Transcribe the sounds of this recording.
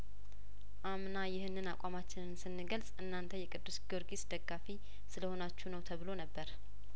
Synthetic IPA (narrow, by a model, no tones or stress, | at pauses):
ʔamnajɪhɨnːɨnakʷʼamat͡ʃːɪnɨnsɨnːɨɡəlsʼɨnːant̪ʰəjɛkʼɨd̪ːusɡio̞ɾɡisd̪əɡːafi | sɨləho̞nat͡ʃːunəwt̪ʰəβɨlo̞nəbːəɾ